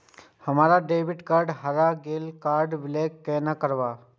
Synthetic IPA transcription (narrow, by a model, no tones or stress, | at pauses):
həmaːɾaɖeːʋɪʈkaːɾɖɦaɾaɡeːlkaːɾɖʋɪleːkːenakəɾʋaː